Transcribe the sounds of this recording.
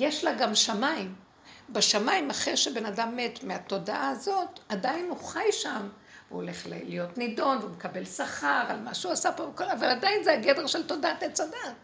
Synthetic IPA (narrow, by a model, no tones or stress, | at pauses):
jeʃlaɡamʃamaim | beʃamaimaχeʃebe̞nadamːet̪meato̞daʔaazo̞tadainhuχajʃam | veo̰le̞χl̰lijo̞tnido̞nveumekabe̞lsaχaʁalmaʃeuasapovekolavaladajinzeaɡedeʁʃelto̞daatat͡soda